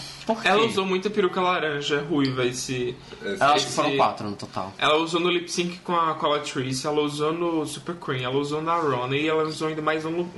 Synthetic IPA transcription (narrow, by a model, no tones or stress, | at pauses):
poɛlɐuzowmũj̃t̪ʊɐpiɾukɐlaɾɐ̃ʒɐɛɦujvɐesɪɛaʃkkɪsfoɾɐ̃kwa̰t̪ɾʊnʊt̪ot̪a̰wʔɛ̰lɐuzonʊlipsĩkɪ̥kõɐkalɐt̪ɾisɪɛlɐuzonʊsupeɾkwĩɛlɐuzownɐɾõnɐɪɛlɐuzowaĩd̪ɐmajznũlʊ